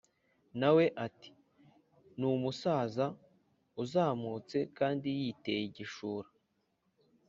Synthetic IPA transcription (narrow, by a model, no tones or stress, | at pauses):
nawe̞ʔati̥ | numusaːza | uzaːmut͡se̞kaːndijiːte̞jiɟiʃuːɾa